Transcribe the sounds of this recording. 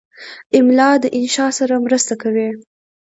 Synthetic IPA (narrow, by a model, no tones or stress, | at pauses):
ɪmlɑd̪əʔɪnʃɑsaɾamɾəst̪akawi